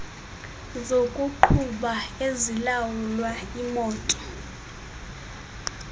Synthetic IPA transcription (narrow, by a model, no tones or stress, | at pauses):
zokʼuǃʰuɓaezilawulwaimɔːtʼɔ̥